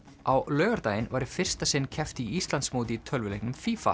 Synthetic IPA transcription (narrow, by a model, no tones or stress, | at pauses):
awlœːɣaɾt̪aːjɪnvaɾɪ̥fɪr̥st̪asɪnːcʰɛft̪iist̪lansmoːwt̪ɪit̪ʰœlvʏlejhknʏmfiːfa̰